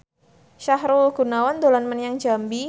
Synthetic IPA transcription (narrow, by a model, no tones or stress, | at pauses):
ʃahɾulɡ̥unawand̪olanmanjaŋd͡ʒambi